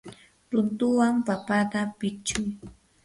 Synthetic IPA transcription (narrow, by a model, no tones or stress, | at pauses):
ɾʊnt̪ʊwampapat̪apɪt͡ʃʊj